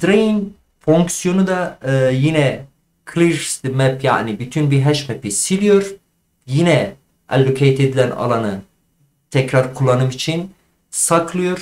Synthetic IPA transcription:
d̪ɾein | foŋksijo̞nud̪aːjinɛ | kʰlʲˠiɾst̪mɛpʰja̰ːnibyt̪ʰynbiɦɛʃmɛpisilʲijo̞ɾ | jinɛ | æ̰lʲːokʰejt̪ʰed̪ilʲæna̰lˠanɯ | t̪ʰɛcɾaɾkʰulˠːanɯmit͡ʃʰin | sakʰlˠɯjo̞ɾ

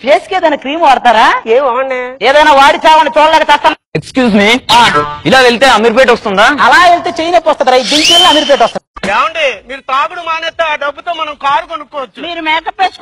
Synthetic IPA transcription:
peːskeːd̪ɐnɐkɾiːmʋɐɽt̪aːɾaːmɐɳɖeeːd̪ɐːnaːʋaːɽit͡ʃaːʋɐnɐt͡ʃoːɽlɛːkɐt͡ʃɛːst̪ɐn | ekskjuːsmiːailaːeɭit̪eːɐmiɾp̬eːʈɐst̪und̪aːɐlaːelit̪eːt͡ʃejinepːɐst̪ɐnd̪iɾɐj̪d̪iŋkelːaɐmiɾp̬eːʈʋɐst̪uiɛːʋɐɳɖimiːɾut̪aːɡuɽumaːneːt̪ːeːaːɖɐbːut̪oːmɐnɐmkaːɾukɐnukːɔːʋɐt͡ʃːumiːɾumɛːʈɐpeːsk

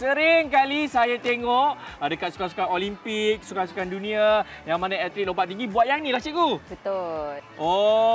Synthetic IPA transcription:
səɾɪŋkalisajat̪eŋɔʔadəkat̪̚su̥kasu̥kanolimpik̚sukansu̥kandunĩa | jaŋmanaɛt̪ɾik̚lompat̪̚iŋɡibuat̪̚jaŋnilaht͡ʃikubət̪olʔɔ

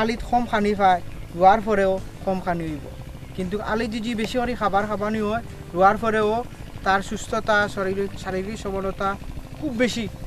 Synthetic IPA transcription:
alit̪ʰɔmxʰanifajɾuaɾpʰɔɾɛokʰɔmkʰaniɦojbɔ̰ | kint̪uka̰lit̚d͡ʒid͡ʒibesiɔɾixʰabaɾkʰabaniɦɔj | ɾuaɾpʰɔɾɛot̪aɾsust̪ʰɔt̪asɔɾiɾisaɾiɾisɔbɔlɔt̪akʰubːesi

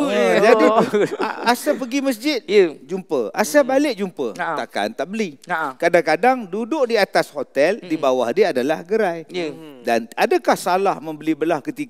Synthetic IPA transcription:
d͡ʒadiaasapəɡiməs̬d͡ʒɪt̪̚d͡ʒumpə̰a̰sabalɪʔ̚d͡ʒumpə̰t̪aka̰nt̪aʔbəlikadakadaŋdudʊʔdiat̪ashot̪ɛldibawa̰hdiadalahɡəɾajdanadakahsalahmə̃mbəlibəlahkət̪ik

